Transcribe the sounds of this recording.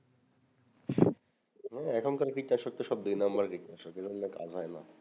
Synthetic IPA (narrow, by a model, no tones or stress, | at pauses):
ɦɛɛkʰonkɔɾekɾikːaʃɔk̚t̪eʃɔb̚d̪ujnambaɾkikːaʃoked͡ʒʱonneka̰d͡ʑɦɔena